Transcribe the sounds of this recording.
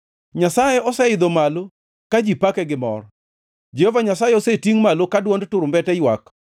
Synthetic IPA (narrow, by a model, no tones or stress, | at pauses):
ɲasajeɔsɛɪd̪omalo | kad͡ʒipakɛɡɪmɔ̰r | d͡ʒɛhovaɲasajeɔsetiŋmalokadwɔndtʊɾmbɛtɛjwak